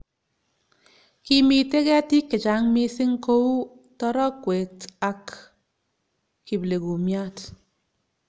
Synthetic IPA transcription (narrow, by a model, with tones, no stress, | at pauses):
ki˦mi˨te˦kɛ˦ti˦kːɪ˨t͡ʃa˨˦ŋmi˦sɪ˦ŋko˦u˦ | tɔ˦ɾɔ˦kwe˨ta˨k | i˨ble˨ku˨mja˦t